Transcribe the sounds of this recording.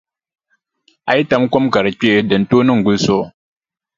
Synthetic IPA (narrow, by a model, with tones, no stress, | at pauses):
a˨ji˦ta˦mkɔ˦mka˨ɾɨ˨k͡pe˦˨dɨ˨n̩˨toː˦nɨ˦ŋ˨ɡʊ˦lso˦